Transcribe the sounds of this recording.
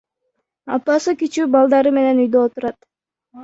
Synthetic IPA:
ɑ̰pːɑsɨkit͡ʃyːbɑlˠd̪ɑɾɯme̞ne̞nujd̪øot̪uɾɑt̪

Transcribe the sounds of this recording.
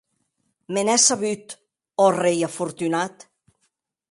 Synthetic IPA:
menɛsaβyt̪ | ɔrejafuɾt̪ynat̪

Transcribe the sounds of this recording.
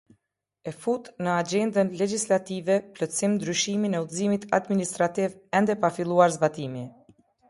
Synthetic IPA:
ɛfut̪nəad͡ʒɛnd̪ənlɛd͡ʒislat̪ivɛplɔsimnd̪ɾyʃiminɛuðzimit̪ʰa̰d̪minist̪ɾat̪ivɛnd̪ɛpafilˠuaɾzbat̪imi

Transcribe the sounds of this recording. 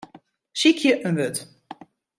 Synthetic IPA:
sikʰjəʔənʋøt

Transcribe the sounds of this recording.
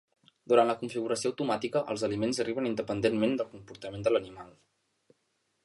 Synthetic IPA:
d̪uɾantləkuɱfiɣuɾəsioəwt̪umat̪ikəʔə̰lˠzəlimenzəriβənind̪əpənd̪enmend̪əlˠkumpuɾt̪əmend̪ələnimalˠ

